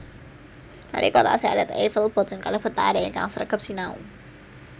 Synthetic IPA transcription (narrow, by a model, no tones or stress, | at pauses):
na̰ɾʔḭkot̪a̰sialɛt̪efəlb̥ɔ̤t̪ənkalahb̥ət̪aadaiŋka̰ŋsəɾəɡəp̚sinaṵ